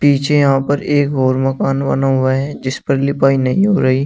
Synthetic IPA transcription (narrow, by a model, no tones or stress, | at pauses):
piːt͡ʃʰejɐɦãpɐɾeːkɦoːɾmɐkaːnbɐ̰naɦʊaɦɛd͡ʒɪspəɾlɪpaːinɐɦĩɦoːɾɐɦiː